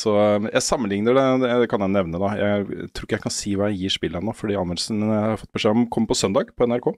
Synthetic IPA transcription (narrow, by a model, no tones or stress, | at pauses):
sɔjæɪsɑmːənlɪŋnəɖɛd̪ɛd̪ɛkʰɑnjæɪnɛʋnəd̪ɑjæ̰ɪt̪ʰɾuːɾkːəjæɪkʰɑnsiːʋɑːjæɪjiːʂpɪlənofɔɖiːɑnəlsnjæhhɑɾfɔt̪̚ːbəʂeːɔmkʰɔmːəpɔsœnd̪ɑːɡpʰɔɛnæɾkʰoː